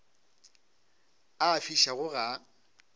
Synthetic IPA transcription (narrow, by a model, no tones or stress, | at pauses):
afiʃaɣʊɣa